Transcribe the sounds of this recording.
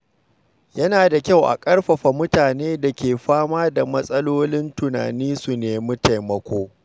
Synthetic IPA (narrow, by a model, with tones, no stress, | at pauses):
jɐ˦naː˨da˨kʲa˦wʔa̰˨kʼɐ˦ɽɸɐ˨ɸa˨mʊ˦taː˨neː˦da˨kʲeː˨ɸaː˦maː˦da˨mɐ˦sʼɐ˦loː˦lɪ˦ntʊ˨na̰ː˨niː˦su˨neː˨mʊ˦ta˨jmɐ˦kʷoː˦